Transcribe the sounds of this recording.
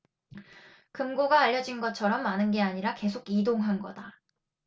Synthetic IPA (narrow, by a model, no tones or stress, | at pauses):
kɯmɡoɡaːʎːʌd͡ʑinɡʌt͡ɕʰʌɾʌmːanɯnɡe̞aɲiɾake̞sʰoɡidoŋɦanɡʌda